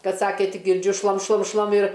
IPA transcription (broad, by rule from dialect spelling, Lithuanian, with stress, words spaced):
ˈkɐt ˈsɑːkʲeː ˈtʲɪk ɡʲɪrʲˈd͡ʒʲʊ ˈʃlˠɐm ˈʃlˠɐm ˈʃlˠɐm ɪr